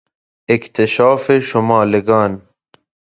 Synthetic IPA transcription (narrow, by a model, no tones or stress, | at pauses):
ɪkt̪eʃaːfeʃʊmɑːleɡaːn